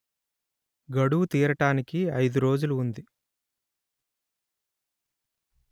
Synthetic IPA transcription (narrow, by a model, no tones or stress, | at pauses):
ɡɐɽuwut̪iːɾɐʈaːnikiɐjd̪uɾo̞ːd͡ʒuluːnd̪i